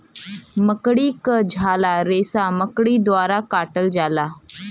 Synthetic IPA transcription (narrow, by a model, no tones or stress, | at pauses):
məkɽiːkəd͡ʑʱalaɾesaməkɽiːd̪ʋaɾakaʈəld͡zala